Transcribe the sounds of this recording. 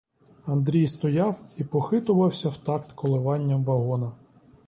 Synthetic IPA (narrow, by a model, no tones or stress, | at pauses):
ɐnd̪ɾʲijst̪ɔjɑwipɔxɪt̪ʊʋɐwsʲɐwt̪ɑkt̪kʰɔlˠɪʋɑnʲːɐmʋɐɦɔnɐ